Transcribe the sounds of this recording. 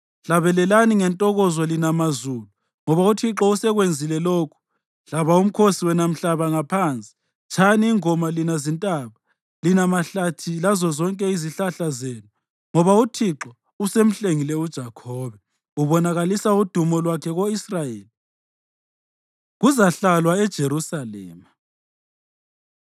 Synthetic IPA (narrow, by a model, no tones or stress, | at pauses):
ɬaβɛlɛlaniŋɛntʼɔɣɔzwɔlinamazuːlu | ŋɔβautʰiǁɔusɛɣwend͡zʱilɛloːkʰu̥ | ɬaβaum̩kʰosiwɛnam̩ɬaβaŋapʰant͡sʼi̥ | t͡ʃʰaniːŋɔmalinazintʼaβa | linamaɬatʰilazɔzɔŋkʼɛiziɬaɬazeːnu | ŋɔβautʰiǁɔ | usem̩ɬeŋilɛud̥ʒ̥ʱakʰɔːβɛ | uβɔnaɣalisaud̥ʱumɔlwakʰɛɣoisrajeːli | ɣuzaɬalwaɛd̥ʒ̥ʱeɾusalɛ̰ːma